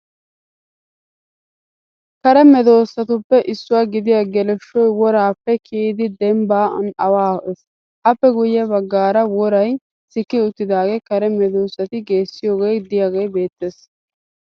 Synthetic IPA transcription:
kɐɾɛmɛd̪o̞ːsːɐt̪ʊpːɛʔɪsːʊwaːɡɪd̪ɪjaɡɛlɛʃːɔjwɔɾaːpːɛkʰiːd̪ɪd̪ɛmba̰ːnɐwaːɛs | ʔɐpːɛɡʊjɪjɐbɐɡːaːɾɐwɔɾɐj | sɪkːɪʊt̪ːɪd̪aːɡɛkɐɾɛmɛd̪o̞ːsːɐt̪ɪɡe̞ːsːɪjoːɡejd̪ɪjaːɡejbe̞ːt̪ːeːs

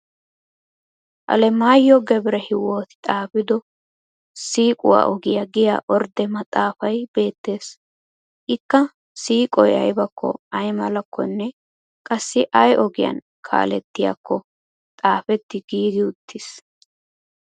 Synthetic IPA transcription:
ʔɐ̰lɛmaːjːɔɡɛbɾɛhɪwo̞ːt̪ɪ̥t̪ʼaːfɪd̪ɔ | siːkʼʊwa̰ːʔɔɡɪjɐɡɪja̰ːʔɔɾd̪ɛmɐt̪ʼaːfɐjb̥e̞ːt̪ːe̞ːs | ʔɪkːɐ | siːkʼɔjɐ̰jbɐkːɔ̰ɐjmɐlɐkːɔ̰nːɛ | kʼɐsːɪʔɐjʔɔɡɪjɐ̰n | kʰa̰ːlɛt̪ːɪja̰kːɔ | t̪ʼaːfɛt̪ːɪɡiːd̪ɪʊt̪ʰːɪs

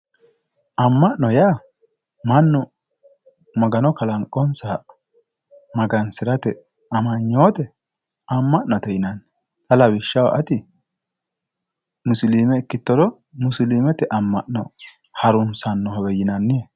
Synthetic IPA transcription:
ʔɐmːɐʔnɔjaː | mɐnːɔ | mɐɡɐnɔkɐlɐŋkʼɔnsaː | mɐɡɐnsɪɾɐt̪ɛ | ɐmɐɲːo̞ːt̪ɛ | ɐmːɐʔnɔt̪ɛjɪnɐnː | t̪ɐlɐbɪʃːɐwa̰ʔɐt̪ɪ | mʊsliːmɛɪkːɪt̪ːɔlɔ | mʊsliːmɛt̪ɛʔɐmːɐʔnɔ̰ | hɐɾʊnsɐnːɔɦɔwɛjɪnɐnːɪe

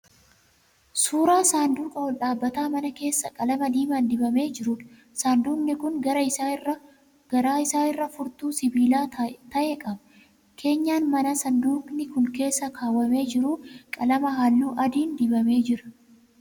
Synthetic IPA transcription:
suːɾaːsaːnd̪uːkʼɐɔlᶑaːbːɐt̪aːmɐnɐke̞ːsːɐkʼɐlɐmɐd̪iːmaːnd̪ɪbɐme̞ːd͡ʒɪɾuᶑ | saːnd̪uːnːɪkʊŋɡɐɾɐɪsarɐ | ɡ̥ɐɾaːɪsaːɪrːɐfʊɾt̪uːsɪbiːlaːt̪ɐʔeːkʼɐbɐ̥ | kʰe̞ːɲːaːnmɐnɐsɐnd̪uːknɪkʊŋke̞ːsːɐkʰaːwːɐme̞ːd͡ʒɪɾuːkʼɐlɐmɐɦaːlːuːʔɐd̪iːnd̪ɪbɐme̞ːd͡ʒɪɾɐ̥

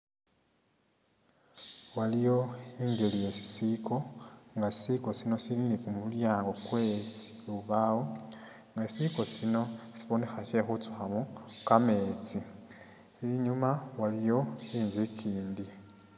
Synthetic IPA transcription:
walijo̞iːɲɟe̞lije̞si̥siko̞ŋɡaisiko̞sino̞silinikumuljaːŋɡo̞kwe | uβawo | ŋɡasiko̞sino̞si̥βo̞ne̞xaʃe̞xut͡su̥xamukame̞ːt͡si | iɲumawalijo̞iːnzeciːndi

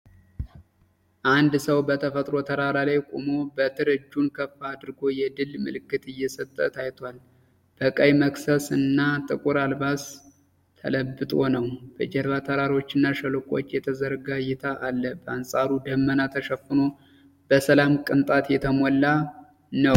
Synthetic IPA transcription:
ʔand̪səwbət̪ʰəfət̪ʼɾo̞t̪ʰəɾaɾalajkʼo̰mo̞bət̪ʰɨɾɨd͡ʒːunkʰəfːaːd̪ɨɾɨɡo̞jɛd̪ɨlmɨ̰lɨkːɨt̪ʼɨjːɛsət̪ʼːət̪ʰajt̪ʰwal | b̥əkʼəjməksəsɨnːat̪ʼɨkʼuɾalbas | t̪ʰːə̰ləbːɨt̪ʼo̞nəwb̥əd͡ʒɛɾβat̪ʰəɾaɾo̞t͡ʃːɨnːaʃəlokʼo̞̰t͡ʃːjɛt̪ʰəzəɾɡajɛt̪ʰaʔalːəbəansʼaɾud̪əmːənat̪ʰəʃəfːɨno̞ | b̥əsəlamkʼɨnt̪ʼat̪jɛt̪ʰəmɔlːa | nəw

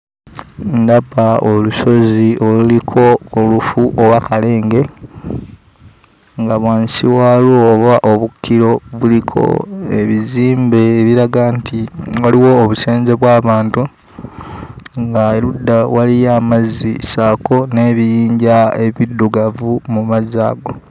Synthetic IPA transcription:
ndabaoluso̞ziolulikʰo̞ːlufuʔowakale̞ːŋɡe̞ | ŋɡaβwaːnsiwaloβaʔoβukːiɾo̞βulikʰo̞̰eβiziːmbe̞ːβiɾaɡaːntiwaliwo̞ːβuse̞ːɲzeβwaːβaːntu | ŋɡaeludːawalijamazḭsaːko̞ne̞ːβijiːɲɟae̞βidːuɡavumumazaːɡo̞

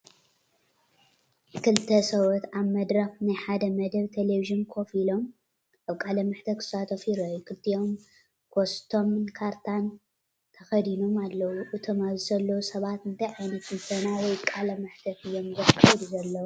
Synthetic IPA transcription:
kʰɨlt̪ʰɐsɐwot̪aβmɐd̪ɾɐxnajħad̪ɐmɐd̪ɐβt̪ʰeleviʒɨnkʰo̞filo̞m | aβkʼalɐmɨħt̪ʰɐkʰɨ̥sat̪ʰofiɾɐjukʰɨlt̪ʰiom | kʰost̪ʰo̞mnkʰaɾt̪ʰan | t̪ʰɐxɐd̪inomalːɐwuʔut̪ʰɐmazɨzɐlːɐwusɐβat̪ɨnt̪ʰajʕajnɐt̪ʰɨnsɐnawɔjkʼalɐmɨħt̪ʰɐt̪ɨjːo̞mzɐfɐd̪zɐlːɐwu

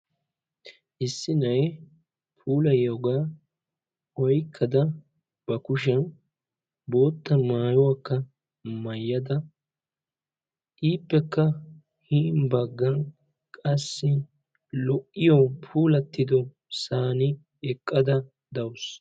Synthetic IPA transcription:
ʔɪsːɪnɐj | pʰuːlɐjoɡaː | ɔjkʰːɐd̪ɐ | b̥ɐkʊʃ̬ɐn | bo̞ːt̪ːɐmaːjɔwakːɐ | mɐjːɐd̪ɐ | ʔiːpːɛkːɐ | hiːnbɐɡːɐn | kʼɐsːɪ | lɔʔːɪjɔpʰuːlɐt̪ːɪd̪ɔ | saːnɪ | ɛkʼːɐd̪ɐ | d̪ɐwʊs

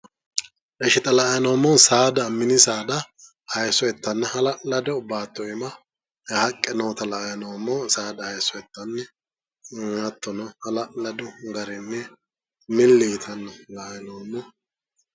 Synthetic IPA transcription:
ʔɛʃɪt̪ɐlɐʔɐjnoːmːɔsaːd̪ɐmːɪnɪsaːd̪ɐ | hɐjsɔɛt̪ːɐnːɐhɐlɐlɐd̪ɛʊbaːt̪ːɔɪmɐ | hɐkʼːɛnoːt̪ɐlɐʔɐjnowmːɔsaːd̪ɐhɐjsɔɛt̪ːɐnːɛ | ɐt̪ːɔnɔhɐlɐlɐd̪ʊɡɐɾɛnːɛ | mɪlːiːt̪ʰɐnːɐlɐʔjnoːmːɔ

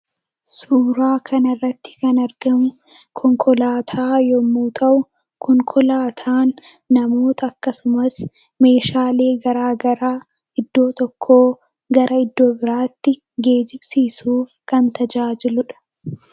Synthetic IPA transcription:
suːɾaːkʰɐnɐɪrːɐt̪ːɪ̥kɐnɐɾɡɐmʊ | kʰɔŋkʰɔlaːt̪ʰaːjɔmuːt̪ʰɐʔʊ | kʰɔŋkʰɔlaːt̪ʰaːnː | ɐmoːt̪ʰɐːkːɐsʊmɐs | me̞ːʃaːle̞ːɡɐɾaːɡɐɾaː | ɪd̪ːo̞ːt̪ɔkʰːoː | ɡɐɾʔɐɪd̪ːo̞ːbɪɾaːt̪ːɪ | ɡe̞ːd͡ʒɪbsiːsuːkɐnt̪ɐd͡ʒaːd͡ʒɪlʊᶑɐ̥

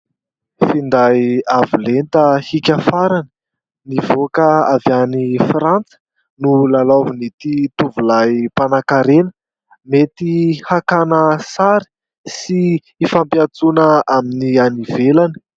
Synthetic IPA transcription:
find̪ajavulent̪əhikʲafaɾanə̥ | nivokəavjanifɾant͡sə̥ | nulalavunit̪it̪uvulajpanakaɾenə̥ | met̪ihakanəsaɾi̥ | si | ifampiat͡sunəaminianivelanə̥

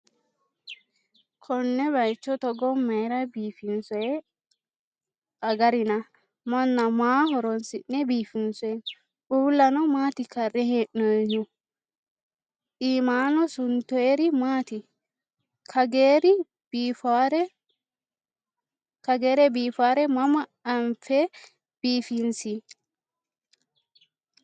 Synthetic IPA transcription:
kʰɔnːɛβɐjt͡ʃːɔt̪ɔɡɔmːɐjɾɐbiːfɪnsɔjɛ | ɐɡɐɾɪnɐ | mɔnːɐmaːɦɔɾɔnsɪʔnɛbiːfɪnsɔjɛ | ʔuːlːɐnɔmaːt̪ɪkɐrːɛheːʔnɔjʊ | ʔiːmaːnɔsʊnt̪ɔeɾɪmaːt̪ɪ | kʰɐɡeɾɪ | bfaɾɛ | kɐɡeːɾɛbiːfaːɾɛmɐmɐːmfɛ | b̥iːfɪnsi

